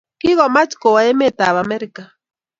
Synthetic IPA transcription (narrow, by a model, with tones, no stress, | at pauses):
ki˦ɣɔ˨ma˦t͡ʃko˨wa˨e˦me˦˨t̪a˨βa˨mɛ˦ɾi˨ka˨